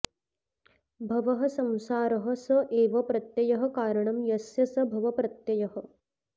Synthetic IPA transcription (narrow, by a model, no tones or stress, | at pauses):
bʱɐʋɐɦɐsɐ̃msaːɾɐɦɐ̆sɐʔeːʋɐpɾɐt̪jɐjɐɦɐ̆kaːɾɐɳɐmjɐsjɐsɐbʱɐʋɐpɾɐt̪jɐjɐɦɐ̆